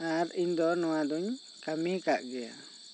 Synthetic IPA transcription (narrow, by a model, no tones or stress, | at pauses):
aɾiɲd̪ɔnɔwad̪uɲ | kamikaʔɡɛja̰